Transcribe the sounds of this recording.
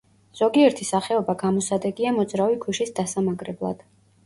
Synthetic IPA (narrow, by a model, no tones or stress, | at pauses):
z̥ɔɡiɛɾt̪ʰisaχɛɔbaɡamɔsad̪ɛɡiamɔd̪zɾavikʰuʃisd̪asamaɡɾɛblˠa̰d̪̥